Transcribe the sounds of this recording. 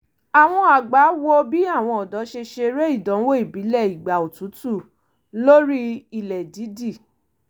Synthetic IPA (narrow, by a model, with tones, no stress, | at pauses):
a˨w̃ɔ̃˧a˨ɡ͡ba˨˦wo˦bi˦a˦˨w̃ɔ̃˧ɔ˨dɔ˨˦ʃe˧ʃe˧ɾe˦i˦˨dɔ̃˨˦wo˦i˦˨bi˨˦lɛ˦˨i˨ɡ͡ba˨o˨tu˨˦tu˦˨ | lo˦ɾi˦i˧˨lɛ˨di˨˦di˦˨